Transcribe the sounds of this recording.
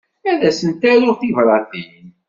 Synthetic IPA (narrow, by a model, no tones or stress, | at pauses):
æðæsənt̪æɾʊɾθivɾˤɑði